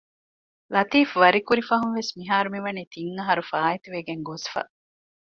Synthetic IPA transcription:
lɐt̪iːfʋɐɾikuɾifɐɦunʋesmiɦaːɾumiʋɐniːt̪iŋːɐɦɐɾufaːet̪uʋeɡeŋɡosfɐ̰

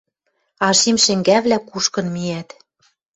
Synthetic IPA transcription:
ɑʃimʃɘ̆ŋɡæβlækuʃkɤ̆nmiæt̪

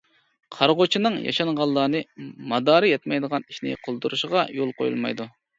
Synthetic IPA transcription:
qʰɑɾʁot͡ʃʰinɨŋjɑ̰ʃɑŋʁɑlˠːɑːnɨmɑd̪ɑːɾɨjɛt̪mɛjd̪əʁɑniʃnɪ̰qʰolˠd̪uɾuʃəʁɑjolˠqʰo̰jṵlˠmɑ̰jd̪u

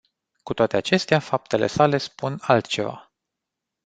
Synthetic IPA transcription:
kut̪oat̪e̞at͡ʃe̞st̪eafap̚t̪e̞le̞̰sale̞spunalt̪t͡ʃe̞va̰

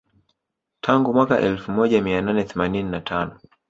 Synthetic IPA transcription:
tʰaŋɡumwaka̰ʔɛlfumɔʄamiananɛθɛmanininatʰanɔ

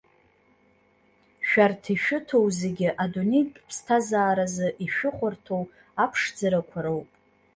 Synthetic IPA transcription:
ʃᶣartʰiʃᶣʊtʰo̞wzeɡʲɪʔadunejtʼpʰstʰazaːɾazɨʔiʃᶣʊχʷʊrtʰow | apʰʂd͡zaɾakʷʰaɾowpʼ

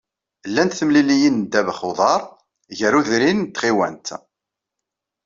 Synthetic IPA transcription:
lːænt̪θəmlilijənd̪ævəχoðˤɑɾˤ | ʝəɾuðɾint̪ːχiwæ̰nt̪

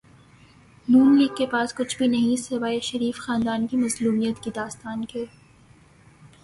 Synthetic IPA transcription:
nuːnliːɡkːepaːskʊt͡ʃʰbʱinɐɦĩsɐʋaːeʃɐɾiːfxaːnd̪aːnkimɐzluːmijət̪kid̪aːst̪aːnkeː

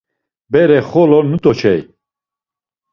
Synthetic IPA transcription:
bɛɾɛχɔlɔnut̪ʼɔt͡ʃʰɛj

